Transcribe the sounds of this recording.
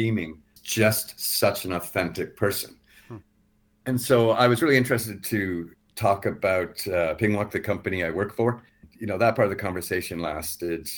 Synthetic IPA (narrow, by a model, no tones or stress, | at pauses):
ĩmɪ̃ŋ | d̥ʒ̥ʌstsʌt͡ʃɨ̃nɔθɛ̃ntɨk̚pʰɜ˞sɨ̃n | ɨ̃nsoʊaɪwʌzɹɪlˠiɪ̃nt͡ʃɹ̥ɨstɨd̚tʰɨ | tʰɔkɨbaʊtpʰɪ̃ŋwə˞k̚ðɨkʰʌ̃mpɨniaɪwɜ˞k̚tfə˞ | jɨnoʊðət̚pʰɑɹɾʌvðɨkʰɑ̃ɱvə˞seɪʃɨ̃nlæstɪd